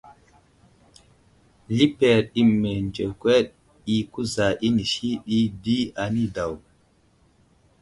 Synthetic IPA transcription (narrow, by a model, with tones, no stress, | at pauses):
li˦pe˨ɾi˦mːe˨nd͡ʒe˨kwe˦ɗ | i˦ku˦za˨ʔi˦ni˨ʃi˦ɓi˦di˦a˨ni˦da˨w